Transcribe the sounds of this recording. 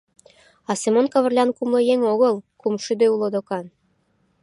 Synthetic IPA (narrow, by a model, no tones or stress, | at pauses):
ɑsemonkɑβə̆rlʲɑnkumlˠɤjeŋoɣəlkumʃyd̪øulˠod̪okɑn